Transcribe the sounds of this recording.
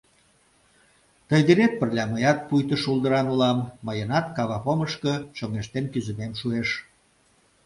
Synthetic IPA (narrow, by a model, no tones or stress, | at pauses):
t̪əjd̪iɾet̪̚pərlʲɑməjɑt̪̚pujt̪əʃulˠd̪əɾɑnulɑmːəjənɑt̪kɑβɑpoməʃkət͡ɕoŋeʃt̪enkyzəmemʃueʃ